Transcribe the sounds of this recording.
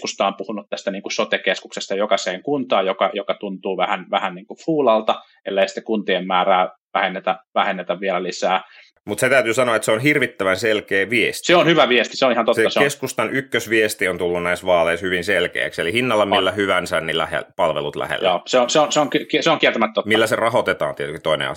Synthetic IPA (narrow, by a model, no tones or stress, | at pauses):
kust̪ɑːmpuhunut̪t̪æst̪æniːŋkusot̪ekeskuksest̪ɑjokɑseːŋkunt̪ɑːjjokɑjokɑt̪unt̪uːʋæhænʋæhænniːŋkufuːlɑlt̪ɑ | ḛlːeisi̥t̪ːekunt̪iemmæːræːʋæhenːet̪æʋæhenːet̪æʋʋielælisæː | mut̪set̪æyt̪yːsɑnoɑet̪seonhirʋit̪ːæʋænselkeːʋiest̪seonhyʋæʋiest̪iseonihɑnt̪oteːɑsekeskust̪ɑnʔykːøsʋiest̪iont̪ulːunnæisʋɑːleishyʋinselkḛːkselihinːɑlːɑmilːæhyʋænsænnilæ̰hḛpɑlʋḛlut̪læ̰hḛlːjoːseonseonseoŋkykseoŋkiert̪æmæt̪ːotmilːæserɑhot̪et̪ɑ̰ːnt̪iet̪ykit̪oinḛɑ̰